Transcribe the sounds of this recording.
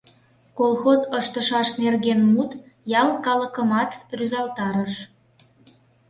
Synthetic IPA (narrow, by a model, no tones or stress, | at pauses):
kolˠxozəʃt̪əʃɑʃnerɣenmut̪ | jɑlkɑlə̆kəmɑt̪ryzɑlt̪ɑɾəʃ